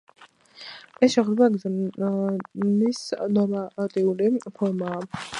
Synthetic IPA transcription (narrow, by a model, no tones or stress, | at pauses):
ɛsʃɛχd̪baɡz | nisnɔɾmat̪ʼiulipʰɔɾmaː